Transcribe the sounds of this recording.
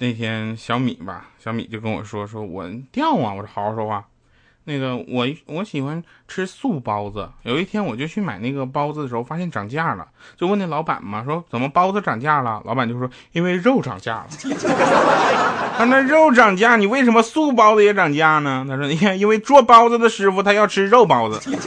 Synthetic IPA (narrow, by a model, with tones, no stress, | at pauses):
ne˥˩ɪt̪ʰjɛ˥nɕjɑ˧˥ʊmḭ˨˩˦bɐ̰˦ɕjɑ˧˥ʊmḭ˨˩t͡ɕjo˥˩ʊkə˧˥nwɔ̰˨˩ʂwɔ˥ʂwɔ˥wɔ̰˨˩t̪jɑ˥˩ʊmɐ̰˨˩wɔ˨˧˩xɑ˨˧˥ʊʂɔ˧˥a˥˩ | na˥˩ɡə˩wʔɔ˨˩wɔ˧˥ɕi˨˩xwa˧˥nʈ͡ʂʰɻ̩˥su˥˩pɑ˥ʊd͡zə˨jo˨˩ʊi˥˩t̪ʰjɛ˥nwɔ˨˩t͡ɕjo˥˧ʊt͡ɕʰy˥˩ma˨˩ɪna˥˩ɡə˩pɑ˥ʊd͡zə˨d̪ə˩ʂɻxo˥˧ʊfa˥ɕjɛ˥nʈ͡ʂɑ˨˩ŋt͡ɕja˥˩lə̰˩t͡ɕjo˥˧wna˥˩lɑ˧˥ʊpa̰˨˩nmɐ˦ʂwɔ˥t͡sə˨˩nmə˦pɑ˥ʊd͡zə˧ʈ͡ʂɑ˨˩ŋt͡ɕja˥˩lə̰˩lɑ˧˥ʊpa˨˩nt͡ɕo˥ʊ˩ʂw | i˥nwe˥˧ɪɻo˥˩ʊʈ͡ʂɑ̰˨˩ŋt͡ɕja̰˥˩lə̰˨˩ | t̪a˥a˥˧ɻo˥˩ʊʈ͡ʂɑ˨˩ŋt͡ɕja˥˩ni˨˩we˥˩ɪ̯ʂ̬ə˧˥nmə˧su˥˩p̬ɑ˥ʊd͡zə˧jɛ˧˥ʈ͡ʂɑ˨˩ŋt͡ɕja˥˩nə˨t̪ʰa˥ʂwɔ˥˧˥ɛ˥˩i˥nwe˥˩ɪʈ͡ʂwɔ˥pɑ˥ʊd͡zə˧d̪ə˨˩ʂɻ̩˧˥fu˧t̪ʰa˥jɑ˥˩ʊʈ͡ʂʰɻ̩˥ɻo˥˩ʊpɑ˥ʊd͡zə˧